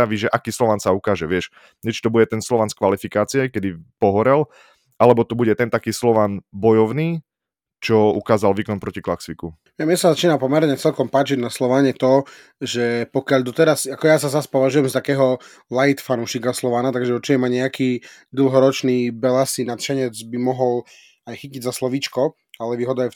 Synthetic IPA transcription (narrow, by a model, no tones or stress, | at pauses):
aʋiʒɛʔakiːslɔʋaːnsaukaːʒɛʋɪɛʃ | ɲɛt͡ʃi̥t̪ɔbuɟɛt̪ɛnslɔʋanskʋalifikaːt͡siakɛd̪ipɔɦɔɾɛl | ʔalɛbɔt̪ɔbuɟɛt̪ɛnt̪akiːslɔʋanbɔjɔʊniː | t͡ʃɔukaːzalʋiːkɔnpɾɔciklaksʋiku | ɛmɛsazat͡ʃiːnapɔmɛɾɲɛt͡sɛlkɔmpaːt͡ʃiɟnaslɔʋaɲɛt̪ɔ | ʒɛpɔkɪaʎd̪ɔt̪ɛɾasakɔjasazaspɔʋaʒujɛmst̪akɛːɦɔ | lajit̪fanuːʃikaslɔʋanat̪aɡʒɛɔt͡ʃiɲɛmaɲɛakiː | d̪l̩ˠɦɔɾɔt͡ʃniːbɛlasinat̪ʃɛɲɛd͡zbimɔɦɔl | ajxiciɟzaslɔʋit͡ʃkɔ | alɛʋiːɦɔd̪aɛ